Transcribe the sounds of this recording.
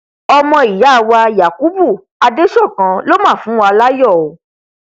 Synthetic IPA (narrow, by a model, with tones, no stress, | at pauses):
ɔ˧mɔ̃˧i˨ja˨˦˨wa˧ja˨ku˦bu˦˨ | a˧de˦ʃɔ˦˨kã˧lo˦mãː˦˨fũ˨˦wa˧la˦jɔ˦˨o˨˦